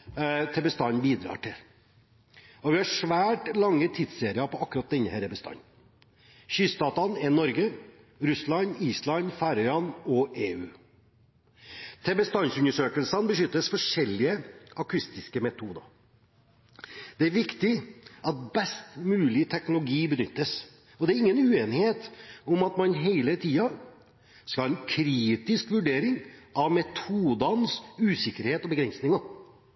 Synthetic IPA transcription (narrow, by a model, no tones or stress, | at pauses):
t̪ʰɛbəst̪ɑnbiːd̪ɾɑ̰ːʈʰɪl | ɔʋɪhɑʂʋæːʈlɑŋːət̪ʰɪt̪seːɾɪɑpʰɔɑkːʉɾɑt̪̚d̪ɛnːəhɛɾəbəst̪ɑ̰nː | ʃyst̪ɑːt̪ɑnɛnɔɾɡə | ɾʉslɑniːslɑnfæɾœʏɑnɔʔeːʉː | t̪ʰɛbəst̪ɑnsʉnːəʂøːkəlsənbəʃʏt̪ːəsfɔʂɛlːɪəɑkʰʉst̪ɪskəmɛt̪ʰuːd̪ɑ̰ | d̪̥ɛæɾʋɪkt̪ɪʔɑt̪̚bɛst̪mʉːlɪt̪ʰɛknʊlʊɡiːbənʏt̪ːəs | ɔd̪ɛæɾɪŋːənʉːeːnɪheːt̪ʊmɑt̪mɑnɦeɪlət̪ʰiːɑ | skɑlɛnkʰɾiːt̪ɪskʋʉɖeːɾɪŋɑʋmɛt̪ʰuːd̪ɑnsʉːsɪkːəɾheːt̪ɔbəɡɾɛnsnɪŋɑ